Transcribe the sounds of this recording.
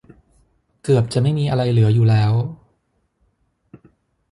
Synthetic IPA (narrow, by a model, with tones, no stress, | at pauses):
kɯ˨˩əp̚t͡ɕa˨˩ʔma˥˩jmiː˧ʔa˧ɾa˧jlɯ˩˦ɐjuː˨˩lɛː˦˥w